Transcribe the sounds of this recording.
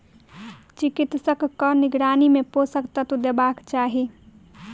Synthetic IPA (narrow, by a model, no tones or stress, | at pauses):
t͡ʃɪkɪt̪səkːənɪɡɾaːnimẽposəkt̪at̪ud̪ebaːkt͡ʃaːɦi